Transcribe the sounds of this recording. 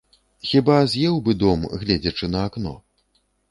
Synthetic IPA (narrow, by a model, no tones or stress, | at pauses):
xʲibazʲjɛwbɨd̪ɔmɣlʲɛd͡zʲɐt͡ʂɨnɐːknɔ̰